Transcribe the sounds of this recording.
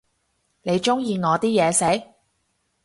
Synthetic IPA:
ne˨˧jt͡ʃʊ˥ŋjiː˧ŋɔː˨˧t̪iː˥jɛː˨˧se˨˥j

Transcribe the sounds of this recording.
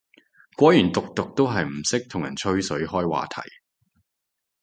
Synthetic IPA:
kʷɔː˨˥jyː˨˩nt̪ʊ˨k̚t̪ʊ˨k̚t̪o˥wɦɐ˨jm̩˨˩sɪ˥k̚t̪ʰʊ˨˩ŋjɐ̰˨˩nt͡ʃʰɵ˥ɥsɵ˨˥ɥhɔː˥jwa̰ː˨t̪ʰɐ̰˨˩j

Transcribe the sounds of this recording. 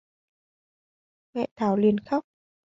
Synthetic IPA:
mɛ̰˧˨t̪ʰaː˨˩˦wli˨˧ənxa˦˥wk͡p̚

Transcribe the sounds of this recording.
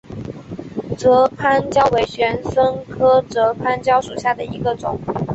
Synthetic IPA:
ʈ͡ʂɤ˧˥pʰa˥nt͡ɕjɑ˥ʊwe˧˥ɪɕɥɛ˧˥nʂə˥ŋkʰɤ˥ʈ͡ʂɤ˧˥pʰa˥nt͡ɕjɑ˥ʊʂu˨˩ɕja˥˩d̪ə˩i˧˥ɡə˧ʈ͡ʂʊ̰˨˩˦ŋ

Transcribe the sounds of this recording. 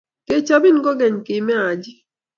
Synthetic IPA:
ke˦t͡ʃa˦bi˦n˦ɡɔ˦ɡɛ˨ɲ˨kɪ˨mɛ˦a˨d͡ʒi˦

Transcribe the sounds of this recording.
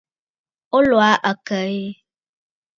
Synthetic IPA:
o˦lo˨a˦ʔə˨kə˨e˦

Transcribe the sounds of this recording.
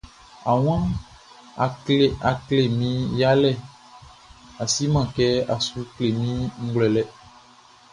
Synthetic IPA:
a˨w̃ã˦˨ | a˨kle˨mĩ˦ja˦lɛ˦˨ | a˨si˦mã˦˨kɛ˦a˨su˦kle˨mĩ˦ŋ̩˦ɡlɛ˨lɛ˦

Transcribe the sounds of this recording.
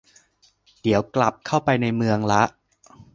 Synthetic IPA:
d̥i˩˦əwkla˨˩p̚kʰa˥˩wpa˧jna˧jmɯ˧əŋla˦˥ʔ

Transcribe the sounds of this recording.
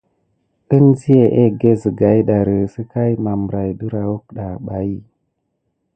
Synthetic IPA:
ə˦nzi˦je˨ʔe˦ɡe˦zə˨ɡa˨˦jɗa˨ɾə˨sə˦ka˦jma˨mbɾa˨jɗə˦ɾa˨wu˦kɗa˨ɓa˨i˦

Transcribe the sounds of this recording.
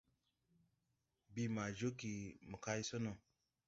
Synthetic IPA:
bi˨ma˨d͡ʒo˦ki˨mə˨ka˦i˦so˦no˨

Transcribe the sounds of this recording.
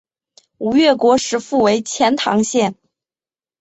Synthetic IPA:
u˨˩ɥɛ˥˩kwɔ˧˥ʂɻ̩˧˥fu˥˩we˧˥ɪt͡ɕʰjɛ˧˥nt̪ʰɑ̰˧˥ŋɕjɛ˥˩n

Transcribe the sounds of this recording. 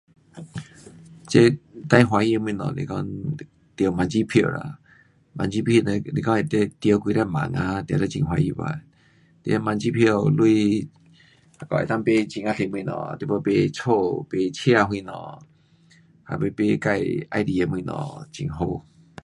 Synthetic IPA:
t͡ɕe˧˦t̪ã˧jɦwa˧i˧e˧mĩ˧nɔ̰̃˨lḭ˧kɔ˧ŋ | t̪ə˨mã˧nt͡ɕi˦pʰjo˧˨la̰˧˨ | mã˧nt͡ɕi˦pʰi˧˨ne˧li˧kɔ˧˦e˧˨t̪e˧˦t̪jə˧kwi˧ɾa˧mã̰˨ŋa˧t̪jla˧t͡ɕḭ˧ŋɦwa˧i˧ba̰˧˨ | t̪ḛ˧ma˧nt͡ɕi˦pʰjo˧˨lu˧i˧ | ha˧kɔ˧˨ḛ˨˧˨t̪a˧ŋpe˧t͡ɕi˧ŋa˧t̪ʰe˧˨mw̃nɔ̰̃˧˨˧t̪i˧po˧pe˧t͡sʰo˥˧˨pe˧t͡ɕʰe˦a˧ɦwĩ˧nɔ̰̃˧˨ | ha̰˧˨pe˧pe˧ka˧˨ja̰˧jd̪i˧e˧m˧ĩ˧˨nɔ̰̃˨t͡ɕḭ˧˨ŋɦo˧

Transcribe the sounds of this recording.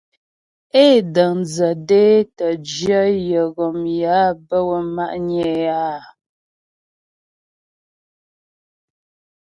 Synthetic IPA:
e˦˨də˨ŋnd͡zə˨de˦tə˨d͡ʒjə˦jə˨ɣɔ˨mja˨˦bə˦wə˨ma˦ʔɲɛː˦˨ja˦

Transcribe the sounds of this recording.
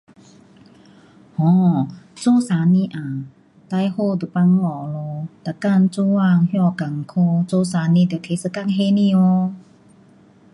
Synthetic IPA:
hɔ̃˧˨t͡so˦˨sa˨˧nĩ˧˦ʔã˨ | t̪a˧jho˧˨d̪u˨˩pa˧ŋlɔ˨lo˧t̪a˨ka˥˧˨nt͡su˧˦wa˧ŋhjɔ˥˧˨ka˨˩ŋkʰo˧t͡so˦sa˨˧˦nĩ˧d̪e˨t̪ʰe˧˦sə˧ka˥˧˨ŋɦe˧nĩ˧˨o˧

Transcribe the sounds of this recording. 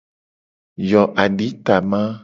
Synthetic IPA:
jɔ˨ʔa˨ɖi˨˦t̪a˨mã˦

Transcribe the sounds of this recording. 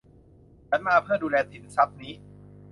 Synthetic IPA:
t͡ɕʰa˦˥nmaː˧˩pʰɯː˥˩duː˧lɛː˧t̪ʰi˨˩˦nsa˦˥p̚niː˦˥

